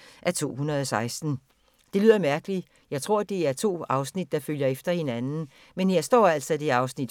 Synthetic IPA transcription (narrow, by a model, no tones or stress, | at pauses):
ʔæt͡sʰo̝̰ːhunʁɐð̞ˠɒsɑ̈ɪsd̥n̩ | d̥e̝lyð̰ˠɐmæɐɡ̥əli | jɑ̈ɪt͡sʰʁo̝ɐ̰d̥e̝æɐt͡sʰo̝̰ːɑ̈ʊsnid̥̚ːɑ̈føljɐefd̥ɐhe̝nænn̩ | menjɑ̈ɪsd̥ɒ̰ːæl̰sɒd̥e̝ɑ̈ʊsnid̥